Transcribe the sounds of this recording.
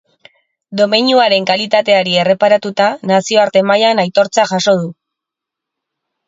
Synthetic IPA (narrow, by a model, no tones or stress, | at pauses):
d̪o̞meɲuaɾe̞ŋkalit̪at̪e̞aɾie̞re̞paɾat̪ut̪anasio̞aɾt̪e̞majanajt̪o̞ɾt͡saʝaso̞ð̞u